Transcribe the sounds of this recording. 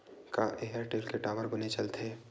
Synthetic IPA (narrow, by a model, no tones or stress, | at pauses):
kaʔeɦəɾʈeːlkeʈaːʋəɾbənet͡ʃɐlt̪ʰeː